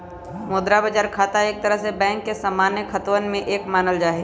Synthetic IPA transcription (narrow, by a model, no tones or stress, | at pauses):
moːd̪ɾabəd͡ʒaːɾkʰaːt̪aeːk̚t̪ɐɾəɦsebɛ̃ːŋkːesaːmaːnjəkʰɐt̪wənmẽʔeːkmaːnəld͡ʒaːɦeː